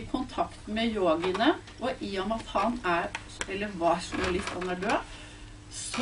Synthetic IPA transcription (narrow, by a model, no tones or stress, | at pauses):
kʰʊnt̪ʰɑkt̪mɛjoːɡənə | ʔɔʔiːɔmɑt̪hɑnæɾ | ɛlːəɾʋɑːʂməlɪt̪ːɑnæɖøː | s